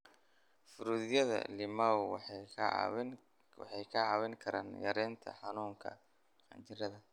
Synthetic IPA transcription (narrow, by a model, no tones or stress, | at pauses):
fʊɾuːðjɐðɐ̰lɪmɐw | wɑ̰ħɑjkʰɐʕɑwɛŋkʰɐɾaːnjɐ̰ɾɛnt̪ʰɐ̰ħɑnuːŋkʰɐ̰ | qɑ̰nt͡ʃʰɪɾɐðɐ